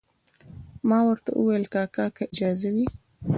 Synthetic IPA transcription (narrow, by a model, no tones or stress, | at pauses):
mɑwəɾt̪a̰ʔṵwajəlkɑkɑkaɪd͡ʒɑzawi